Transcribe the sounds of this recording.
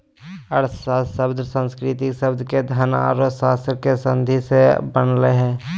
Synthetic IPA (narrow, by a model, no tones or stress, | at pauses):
əɽsasəbd̪ʱɾsə̃nskɾɪt̪iksəbd̪ked̪ʱana̰ːɾosaːsɾkesə̃nd̪ʱisebənleɦɛ̃ː